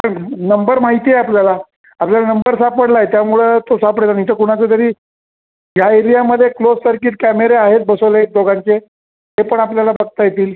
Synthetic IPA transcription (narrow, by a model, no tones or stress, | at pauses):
əɳnəmbəɾmaɦit̪ieapljala | apljalanəmbəɾsapəɽlaet̪jamuɭət̪osapɽed͡zanit̪əkuɽ̃at͡sot̪əɾiː | ɦjaeɾijaməd̪ʱːjeklossəɾkiʈkæmeɾeaɦet̪̚bəsoleed̪oɡaɲt͡se | ɦepəɳapljalabəɡ̚t̪ajet̪iːl